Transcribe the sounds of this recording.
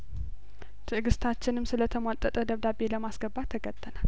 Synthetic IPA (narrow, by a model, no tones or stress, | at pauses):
t̪ʰɨʔɡɨst̪ʰat͡ʃːɪnɨmsɨlət̪ʰəmwat̪ʼət̪ʼəd̪əβd̪abe̞ləmasɡəbːat̪ʰəɡət̪ʼːənal